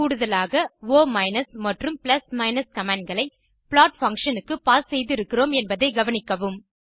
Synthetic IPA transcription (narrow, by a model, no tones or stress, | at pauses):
kuːɽɯðɐlaːɣɐʋoːmɐɪnɐsmɐʈrɯmpɪlɐsmɐɪnɐskɐmaːɳɖ̚ɡɐɭɐɪ | pɭaːʈfɐŋkʂɐnɯkːɯpaːssɛjðɪɾɯkːɪroːmɛnbɐðɐɪɡɐʋɐnɪkːɐʋɯm